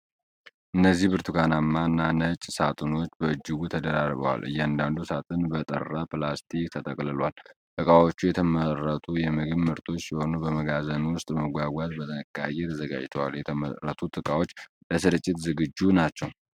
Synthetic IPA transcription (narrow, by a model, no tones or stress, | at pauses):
ʔɨnːəzːihbɨɾt̪ʰuɡanamːanːanət͡ʃʼsat̪ʼɨno̞t͡ʃːbəɨd͡ʒːɨɡut̪ʰəd̪əɾarbə̰wa̰lʔɨ̰jːɛand̪and̪usat̪ʼɨnbət̪ʼə̰rːaplast̪ʰikt̪ʰət̪ʼəkʼlɨlwalt̪ʼɨkʼawo̞t͡ʃːujɛt̪ʰəmərːət̪ʰujɛmɨɡɨβmɨɾt̪ʰo̞t͡ʃːjɛho̞nubəməɡazənwʊst̪ʼbəməɡʷaɡʷazbət̪ʰənɨkʼːa̰jet̪ʰəzəɡa̰d͡ʒt̪ʰəwa̰ljɛt̪ʰəməɾət̪ʰut̪ʼɨkʼawo̞t͡ʃː | ləsɨɾɨt͡ʃʼːɪt̪zɨɡɨd͡ʒːunat͡ʃːɛw